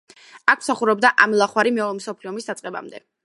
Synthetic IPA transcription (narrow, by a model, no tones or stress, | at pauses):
ak̚ʰmsaχuɾɛb̚d̪aʔamlˠaχwaɾimɛɔmsɔpʰliɔmisd̪at̪sʼqʼɛba̰md̪ɛ̰